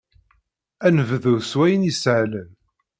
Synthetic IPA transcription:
ænvəðʊswæjənisʕlən

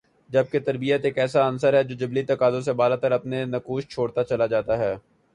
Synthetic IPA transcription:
d͡ʒɐb̚ket̪ɐɾbijət̪eːkɛːsaɐnsəɾɦɛd͡ʒoːd͡ʒɐblit̪ɐkaːzõs̬ebaːlat̪əɾɐpnenɐkuːʃt͡ʃʰoːɽt̪at͡ʃɐlad͡ʒaːt̪aɦɛː

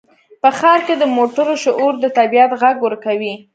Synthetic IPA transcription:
pəxɑɾked̪əmoʈəɾoʃʊʔuɾd̪ət̪abijat̪ɣaɡwəɾkawi

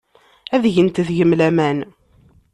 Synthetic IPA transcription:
æðʝənt̪ðʝəmlæmæn

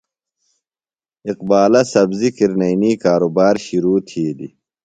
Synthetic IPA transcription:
iqbaːlɐsɐbzikiɾnɐniːkaːɾobaːɾɕiɾuːt̪ʰiːd̪ḭ

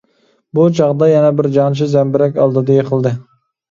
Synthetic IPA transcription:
but͡ʃʰɑʁd̪ɑjɛnɛbɪɾd͡ʒɑnt͡ʃʰizɛmbɪɾɛkʲɑlˠd̪ɨd̪ɨjeqʰəlˠd̪ɨ

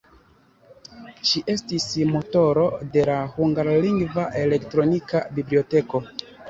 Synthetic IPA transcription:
ʃiʔe̞stismo̞to̞ɾo̞de̞lahuŋɡaɾliŋɡvaʔe̞le̞ktɾo̞nikabiblio̞te̞ko̞

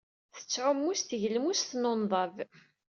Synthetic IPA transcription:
θə̥t͡sːʕʊmːusθʝəlmusθnonðˤɑv

